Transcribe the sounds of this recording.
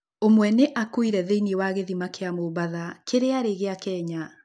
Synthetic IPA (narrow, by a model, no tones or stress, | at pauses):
omwɛneʔakuiɾɛðeiniewaɣeðimakeamoβaðakʰeɾeaɾeɣeakɛɲa